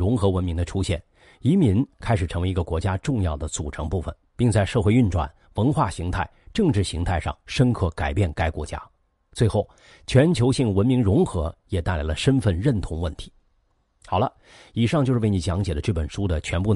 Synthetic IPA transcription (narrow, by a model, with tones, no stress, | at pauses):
ʊ˧˥ŋxɤ˧˥wə˧˥nmi˧˥ŋd̪ə˧ʈ͡ʂʰu˥ɕjɛ̰˥˩n | i˧˥mi˧˥nkʰa˥ɪʂɻ̩˨˩ʈ͡ʂʰɤ˧˥we˧˥ɪi˧˥ɡə˧kwɔ˧˥t͡ɕja˥ʈ͡ʂʊ˥˧ŋjɑ˥˩ʊd̪ə˩t͡su˨˩ʈ͡ʂʰɤ˧˥ŋpu˥˩fə̰˩npi˥˧ŋt͡sa˥˧ɪʂɤ˥˧xwe˥˧ɪy˥˧nʈ͡ʂwa̰˥˩n | wə˧˥nxwa˥˩ɕi˧˥ŋt̪ʰa˥˩ɪʈ͡ʂɤ˥˧ŋʈ͡ʂɻ̩˥˩ɕi˧˥ŋt̪ʰa˥˧ɪʂɑ̰˥˩ŋʂə˥nkʰɤ˥˩ka˨˩ɪpjɛ˥˩nka˥ɪkwɔ̰˧˥t͡ɕja̰˥ | t͡swe˥˧ɪxo˥˩ʊ | t͡ɕʰɥɛ˧˥nt͡ɕʰjo˧˥ʊɕi˥˩ŋwə˧˥nmi˧˥ŋɻʊ˧˥ŋxɤ˧˥jɛ˨˩t̪a˥˩ɪla˧˥ɪlə˧ʂə˥nfə˥˧nɻə˥˩nt̪ʰʊ˧˥ŋwə˥˩nt̪ʰi̥˧˥ | xɑ˨˩ʊlə̰˦ | i˨˩ʂɑ˥˧ŋt͡ɕjʂɻ̩˥˧˥ni˧˥t͡ɕjɑ˧˥ŋt͡ɕjɛ˨˩d̪ə˦ʈ͡ʂɤ˥˩pə˨˩nʂu˥d̪ə˨t͡ɕʰɥɛ˧˥npu˥˩